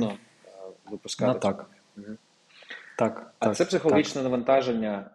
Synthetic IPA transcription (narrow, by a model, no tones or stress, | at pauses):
nɔ | ʋɨpʊskɑt̪ak | m̩ɦ̩ | t̪ɑk̪ɐsɛpsɪxɔlˠɐɦʲit͡ʃnɛnɐʋɐnt̪ɑʒenʲːɐ